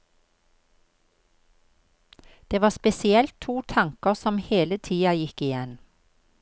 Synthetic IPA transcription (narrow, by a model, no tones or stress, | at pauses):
d̪̥eːʋɑːspɛsɪɛlt̪ʰuːt̪ʰɑŋkəʁsɔmheːlət̪ʰiːɑjɪkɪjɛn